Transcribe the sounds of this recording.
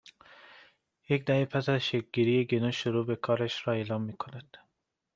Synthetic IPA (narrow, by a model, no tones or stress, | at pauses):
jecd̪æhepʰæsæzʃek̚ɡiɾijeɡenoʃoɾuːbekʰɒːɾæʃɾɒːeːlɒːmːiːkʰonæd̪̥